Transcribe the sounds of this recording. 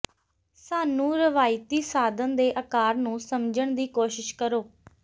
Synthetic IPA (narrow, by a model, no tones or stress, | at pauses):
saːnũːɾəʋaːɪt̪iːsaːd̪ənd̪eːʔəkaːɾnũːsəmd͡ʒəɳd̪iːkoːʃɪʃkəɾoː